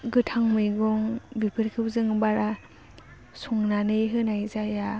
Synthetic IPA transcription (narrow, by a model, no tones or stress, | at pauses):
ɡɯtʰaŋmɯjɡɔŋbipʰɯɾkʰɯp̚zɯŋbaɾa | suŋnanɯjɦɯnajzaja